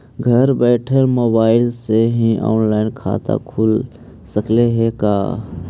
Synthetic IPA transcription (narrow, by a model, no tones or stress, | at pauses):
ɡʱəɾbɛːʈʰəɾmoːbaːɪlseɦĩʔɔ̰ːnlaːɪnkʰa̰ːt̪a̰kʰuːl | səkleɦeka̰ː